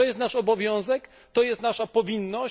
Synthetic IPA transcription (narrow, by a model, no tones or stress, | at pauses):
ɔjɛst̪naʂɔbɔvʲjɔ̃w̃zɛk | t̪ɔjɛst̪naʂapɔvʲinːɔ